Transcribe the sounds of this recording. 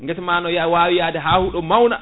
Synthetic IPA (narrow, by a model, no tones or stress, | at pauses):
ŋɡɛtmanɔjawawijadɛɦaːhuɗɔmawna